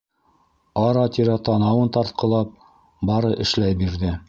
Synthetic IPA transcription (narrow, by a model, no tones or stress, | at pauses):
ɑɾɑt̪iɾæt̪ɑnɑwɤnt̪ɑɾt̪̚qɤ̆lˠɑp̚ | bɑɾɤʔɘ̆ʃlæjbiɾðɘ